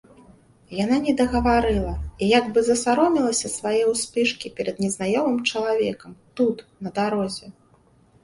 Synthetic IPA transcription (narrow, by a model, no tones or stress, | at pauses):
jananʲɛd̪ɐɣɐvaɾɨlˠɐijaɡbɨzɐsaɾɔmʲilˠɐsʲɐsvajɛwsʲpʲɨʂkʲipʲɛɾɐd̪̚nʲɛznajɔmɨmt͡ʂɐlˠavʲɛkɐmt̪ut̪nɐd̪aɾɔzʲɛ